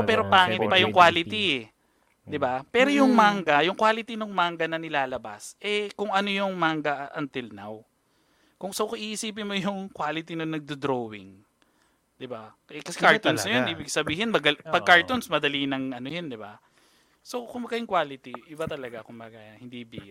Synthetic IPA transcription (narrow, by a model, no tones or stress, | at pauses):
pɛːɾopaŋɪnɪbajʊŋkwaːlɪt̪iɛ | d̪ɪbapɛːɾojʊŋmaŋɡɐjʊŋkwaːlɪt̪inʊŋmaŋɡɐnɐnɪlaːlɐba̰sʔɛkʊŋʔɐnojʊŋmaŋɡɐʔɐnt̪ɪlna̰w | kʊŋsowkʊʔiːʔɪsiːp̬ɪnmojʊŋkwaːlɪt̪inonɐɡ̚d̪od̪ɾowɪ̰ŋ | d̪̥ɪba | ɛkɐsɛkaɹt̪onsnɐjonʔiːbɪɡsɐbiːhɪnmɐɡɐpɐɡ̚kːaɹt̪onsmɐd̪ɐlinɐŋʔɐnojond̪ɪba̰ | sokʊmbɐɡajʊŋkwaːlɪt̪iʔɪbat̪ɐlɐɡakʊmbɐɡɐhɪnd̪ibḭː